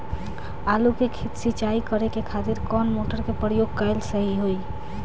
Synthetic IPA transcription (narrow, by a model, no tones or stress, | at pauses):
alukekʰit̪sit͡ʃaikəɾekekʰat̪iɾkɔnmoʈəɾkepɾəjoɡ̚kəɪlsəɦiɦoi